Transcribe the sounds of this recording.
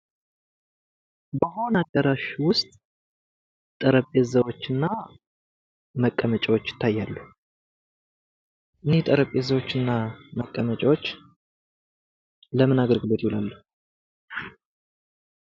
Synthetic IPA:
bəɦo̞naɡəɾaʃwʊst̪ʼ | t̪ʼəɾəpʼːezəwo̞t͡ʃːɨnːa | məkʼːəmət͡ʃʼɛwot͡ʃːjɪ̥t̪ʰːajːalːu | ʔɨnet̪ʼəɾəpʼezəwo̞t͡ʃːɨnːaməkʼːəmət͡ʃʼawot͡ʃː | ləmɨnaɡəɾɡɨlo̞t̪jolalːu

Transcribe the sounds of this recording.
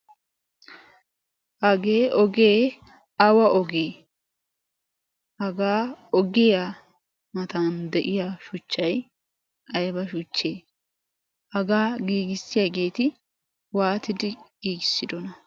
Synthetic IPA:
hɐɡeːʔɔɡe̞ː | ɐwɐʔɔɡeː | hɐɡaːɔɡɪjaː | mɐt̪and̪ɛʔɪjaːʃʊt͡ʃːɐj | ʔɐjbɐʃʊt͡ʃːeː | hɐɡaːɡiːɡɪsːɪjaɡe̞ːt̪ɪ | waːt̪ɪd̪ɪɡ̥iːɡɪsːɪd̪ɔnɐ

